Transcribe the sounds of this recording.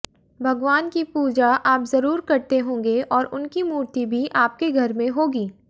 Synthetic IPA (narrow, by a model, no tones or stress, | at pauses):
bʱɐɡʋaːnkipuːd͡ʒaʔaːpzɐɾuːɾkɐɾt̪eɦõːŋɡeɔːɾʔʊnkimuːɾt̪ibʱiʔaːp̚keɡʱɐɾmẽɦoːɡiː